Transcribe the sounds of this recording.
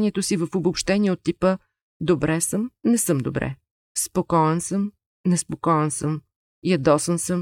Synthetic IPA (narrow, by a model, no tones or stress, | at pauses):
nʲiɛt̪osivəfobopʃt̪ɛniɛot̪ːipə | d̪obɾɛsəmnɛsɤmd̪obɾɛ̰ | spokɔɛnsɤm | nɛspokɔɛnsəm | jɐd̪ɔsənsɤm